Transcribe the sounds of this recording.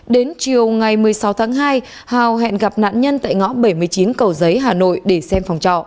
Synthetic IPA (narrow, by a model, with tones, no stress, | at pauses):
ɗe˨˦nt͡ɕi˨˩əwŋa˨˩jmɨ˨˩əjsa˨˦wt̪ʰaː˨˦ŋɦaː˧j | haː˨˩wɦɛ̰˧˨nɣa˨˩p̚na̰ː˧˨nɲə˧nt̪a̰ː˧˨jŋɔ̰˧˥ɓə˧˩jmɨ˨˩əjt͡ɕi˨˦nkə˨˩wzə˨˦jɦaː˨˩no̰˧˨jɗe˧˩sɛ˧mfa˨˩wŋ͡mt͡ɕɔ̰˧˨